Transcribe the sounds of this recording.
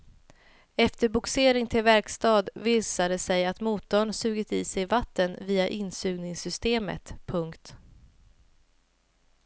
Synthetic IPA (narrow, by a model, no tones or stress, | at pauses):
ɛft̪əɾbʊkseːɾɪŋt̪ʰɪlvæɾkst̪ɑːd̪viːsad̪əsɛjat̪muːt̪ɔɳsʉ̟ːɡɪt̪ɪːsɛjvat̪ːənviːaʔɪnsʉ̟ːɡnɪŋsʏst̪eːmə̰t̪pʰɵŋkt̪